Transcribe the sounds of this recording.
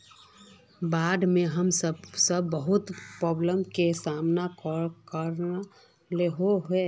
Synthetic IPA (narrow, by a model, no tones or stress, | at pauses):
baːd̪ʱmẽɦəmsəbsəbːəɦʊt̪pɾɔːbləmkesaːmnakɔkəɾ | leɦoɦe